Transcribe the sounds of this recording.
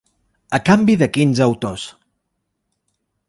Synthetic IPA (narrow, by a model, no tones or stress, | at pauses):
əkambiðəkinzəwt̪os